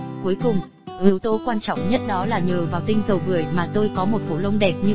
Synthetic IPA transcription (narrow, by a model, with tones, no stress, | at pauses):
ku˨˦əjkʊ˨˩ŋ͡m | ʔi˨˦əwt̪o˧kwaː˧nt͡ɕɔ̰˧˨wŋ͡mɲə˦˥t̚ɗɔ˨˦laː˨˩ɲəː˨˩vaː˨˩wt̪ï˧ŋ̟zə˨˩wvɨ˧˩əjmaː˨˩t̪o˧jkɔ˨˦mo˨˩t̚fo˧˩lə˧wŋ͡mɗɛ˨˩p̚ɲɨ˧